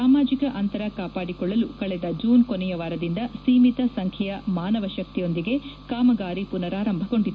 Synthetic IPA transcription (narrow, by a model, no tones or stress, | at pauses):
aːmaːd͡ʒikɐʔɐnt̪ɐɾɐkaːpaːɽikɔɭːɐlukɐɭɛd̪ɐd͡ʒuːnkonɛjɐʋaːɾɐd̪ind̪ɐsiːmit̪ɐsɐŋkʰjɛjɐmaːnɐʋɐʃɐk̚t̪ijo̞nd̪iɡe̞kaːmɐɡaːɾipunɐɾaːɾɐmbʱɐko̞ɳɖid̪ː